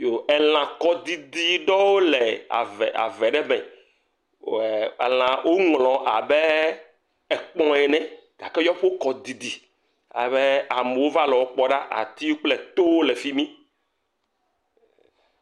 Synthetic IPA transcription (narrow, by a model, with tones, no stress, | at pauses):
jo˨ɛ˨l̃ã˨kɔ˦d̪i˨d̪i˨ɖɔ˦wo˦lɛ˨a̰˨vɛ˨a̰˨vɛ˨ɖɛ˦mɛ̃˨ | lã˨wʔo˦ŋlɔ̃˨ʔa˨bɛ˦ | ɛ˨k͡pɔ̃˦ɛ˨nɛ̃˨ɡ̥a˨kɛ˦jɔ˦ɸo˦kɔ˨d̪i˨d̪i˨ | a̰˨βɛ˦a˨me˨wo˦va˦lɔ˨wo˦k͡pɔ˦ɖa˦ʔa̰˨t̪i˦wo˦k͡plɛ˦t̪o˦wo˦lɛ˨fi˦mĩ˦